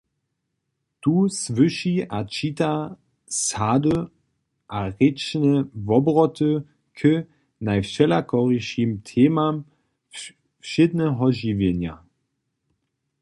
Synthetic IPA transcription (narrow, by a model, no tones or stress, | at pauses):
tuːsvʏʃiat͡ʃita | saːdə | ʔaʁɪt͡ʃnəvɔbʁɔtʰə | kʰə | najfʃɛlakʰɔʁiʃimtʰeːmam | fʃɪdnəɦɔʒiːvjenja̰